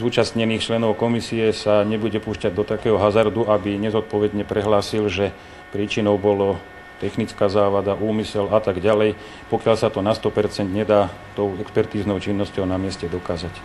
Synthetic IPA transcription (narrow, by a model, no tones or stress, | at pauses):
zuːt͡ʃast̪ɲɛniːxt͡ʃlɛnɔʊkɔmisiɛsaɲɛbuɟɛpuːʃcaɟ̚d̪ɔt̪akɛːɦɔɦazaɾd̪uʔabiɲɛzɔt̪̚pɔʋɛd̪ɲɛpɾɛɦlaːsilʒɛ | pɾiːt͡ʃinɔʊbɔlɔ | t̪ɛxnit͡skaːzaːʋad̪aʔuːmisɛlat̪aɡɟalɛj | pɔkɪalsat̪ɔnast̪ɔpɛɾt͡sɛnd̪ɲɛd̪aː | t̪ɔʊɛkspɛɾt̪iːznɔʊt͡ʃinːɔscɔʊnamɪɛscɛd̪ɔkaːzac